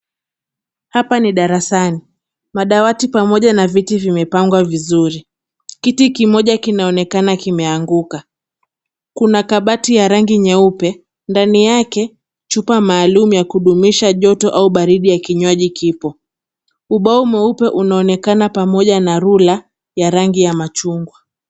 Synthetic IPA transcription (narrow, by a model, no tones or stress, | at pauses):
hapaniɗaɾasani | maɗawatipamɔʄanavitivimɛpaŋɡwavizuɾi | kitikimɔʄakinaɔnɛkanakimɛaŋɡuka | kunakaɓatijaɾaŋɡiɲɛupɛ | ndanijakɛ | t͡ʃupamaːlumujakuɗumiʃaʄɔtɔʔauɓaɾiɗijakiɲwaʄikʰipɔ | uɓaumɛupɛʔunaɔnɛkanapamɔʄanaɾula | jaɾaŋɡijamat͡ʃuŋɡwa